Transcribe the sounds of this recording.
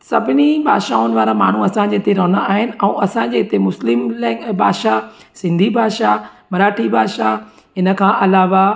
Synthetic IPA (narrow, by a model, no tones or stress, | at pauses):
sɐbʱɪnibʱa̰ːʃaʊnɪʋaːɾama̰ːɳ̤uɐsãd͡ʑet̪eɾɐɦnaaːɦɪnɪ̆ɛ̃ɐsãɲd͡ʑeːɪt̪emʊslɪmlɛbʱaːʃasɪ̃nd̪ʱibʱaːʃamɐɾaːʈʰibʱaːʃa | ɪnə̆kʰãːʔɐlaːʋa